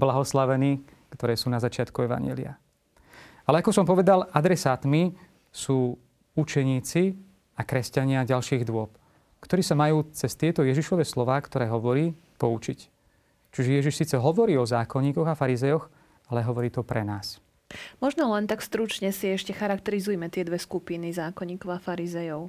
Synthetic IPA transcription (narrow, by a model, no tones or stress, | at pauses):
blaɦɔslaʋɛniː | kt̪ɔɾɛːsuːnazat͡ʃɪat̪kuɛʋa̰ɲɪɛ̰lḭa̰ | alɛakɔsɔmpɔʋɛd̪alad̪ɾɛsaːt̪mi | suː | ut͡ʃɛɲiːt͡si | akɾɛscaɲɪaɟalʃiːɣd̪ʊɔp | kt̪ɔɾiːsamajuːt͡sɛst̪ɪɛt̪ɔjɛʒiʃɔʋɛːslɔʋaːkt̪ɔɾɛːɦɔʋɔɾiː | pɔut͡ʃic | t͡ʃuʒɛjɛʒiʃsiːt͡sɛɦɔʋɔɾiːɔzaːkɔɲiːkɔɣafaɾizɛjɔx | alɛɦɔʋɔɾiːt̪ɔpɾɛnaːs | mɔʒnɔlɛnt̪akst̪ɾut͡ʃɲɛsiɛʃcɛxaɾakt̪ɛɾizujɛmɛt̪ɪɛd̪ʋɛskupinizaːkɔɲiːkɔʊafaɾizɛjɔʊ